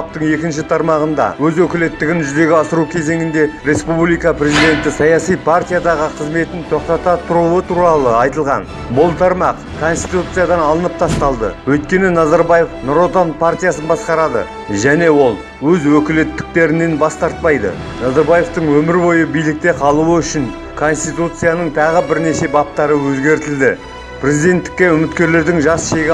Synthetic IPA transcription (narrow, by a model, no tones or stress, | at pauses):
p̚t̪əɴe̞kʲɪnʃ̬ɪt̪ʰɑɾmɑʁənd̪ɑ̰wɵzwɵkʲɪle̞t̪ːɪɡʲɪnʒʏze̞ɡʲɪɑsəɾukʲʰe̞ze̞ŋɪnd̪e̞ɾe̞spublijkɑpɾʲe̞zid̪e̞nt̪ɪsɑjɑsijpʰart̪ʲijad̪ɑʁəqʰəzme̞t̪ɪnt̪ʰo̞q̚t̪ɑt̪ɑt̪ʰʊɾuət̪ʰuɾɑlˠəɑjt̪əlˠʁɑ̰n | bʊlˠt̪ʰɑɾmɑq | kʰo̞nst̪i̥t̪ut̪sɨjad̪ɑnɑlˠənəp̚t̪ʰɑst̪ɑlˠd̪ə̰wɵjt̪̚kʲe̞nɪnɑzɑɾbaje̞fnʊɾot̪ɑnpʰart̪ʲijasənbɑsqɑɾɑd̪ə̰ | ʒæne̞wo̞lˠ | wɵzwɵkʲɪle̞t̪ːɪ̥k̚t̪e̞ɾɪnːe̞nbɑst̪ɑɾt̪̚pɑjd̪ə̰ | nɑzɑɾbaje̞ft̪əɴwɵmɪɾbo̞jəbijlɪk̚t̪e̞qʰɑlˠuəʏʃɪn | kʰo̞nst̪it̪ut̪sɨjanəɴt̪ʰɑʁəbɪɾne̞ʃe̞bɑp̚t̪ɑɾəwɵzɡʲe̞ɾt̪ɪld̪ɪ | pʰɾʲe̞zijd̪e̞nt̪ːɪ̥kʲːe̞ʏmɪt̪kʲe̞ɾle̞ɾd̪ɪŋʒɑsʃe̞ɡʲ